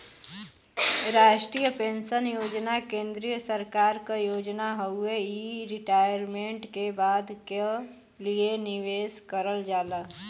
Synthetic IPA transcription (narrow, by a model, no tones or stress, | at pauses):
ɾaːʃʈɾiːjəpẽːnsənjoːd͡ʒnakẽːnd̪ɾijəsəɾkaːɾkajoːd͡ʒnaɦəʊeiɾɪʈaːjəɾmẽɳʈkebaːd̪ke | lienɪʋeːskəɾəld͡ʒaːlaː